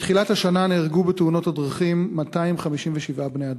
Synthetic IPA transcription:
tχilathaʃananeːʁɡubetuno̞thadʁaχimːataimχamiʃimveʃivʔabnejad

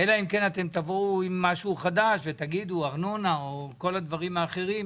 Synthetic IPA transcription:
elaimke̞nat̪e̞mt̪avouimːaʃuuχad̪aʃvet̪aɡid̪uaʁno̞naoko̞lad̪vaʁimaːχe̞ʁim

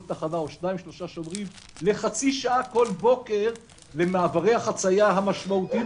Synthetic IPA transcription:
t̪aχadaoʃnaĩmʃlo̞ʃaʃovʁim | le̞χat͡siʃaʔako̞lbo̞ke̞ʁ | le̞maːvaʁe̞jhaχat͡sajaɦamaʃmaut̪i

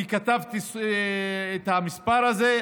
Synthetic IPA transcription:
ikat̪avt̪is | et̪hamispaʁaze

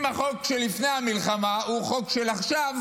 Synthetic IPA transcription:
maχo̞kʃelːifne̞jhamilχamauχo̞kʃelaχʃav

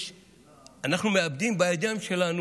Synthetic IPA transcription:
ɐnɐxnumeɐb̚d̪iːnbaːjd̪jaːmʃelaːn

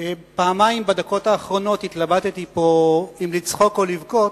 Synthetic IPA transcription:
paːmajmbad̪ako̞taːχʁo̞no̞t̪hit̪labat̪et̪ipo̞imlit͡sχo̞ko̞livɡo̞t

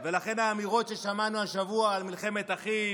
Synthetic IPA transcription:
ve̞laχe̞naːmiʁo̞tʃe̞ʃamanuaʃavuaːlmilχe̞me̞t̪aχi

